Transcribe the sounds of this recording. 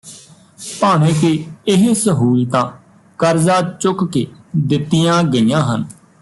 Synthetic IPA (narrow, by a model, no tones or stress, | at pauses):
paːɽeːkeːɪɦsəɦuːit̪ãː | kəɾzaːt͡ʃʊkkeːd̪ɪt̪ːijãːɡəiːjãːɦən